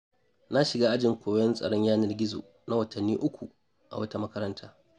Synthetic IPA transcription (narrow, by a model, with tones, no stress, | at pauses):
na˦ʃɪ˨ɡaː˦ʔa˦d͡ʒɪ˨ŋkʷʰoː˨wjɛ˦nsʼɐ̰˨ɽɔ˦ɲjaː˦nɪ˦rɡʲɪ˦zo̰ː˨ | na˦wɐ˨tʰɐ˨nːiː˦ʔʊ˦kʷu˨ | ʔa̰˨wɐ˦ta˦mɐ˦kɐ˦ɾɐ˦ntʰaː˦